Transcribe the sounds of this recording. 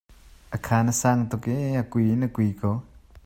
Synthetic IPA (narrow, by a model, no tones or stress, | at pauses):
ʔɐkʰaːnɐsaːŋt̪ɔkeɐkujinəkujkʰɔ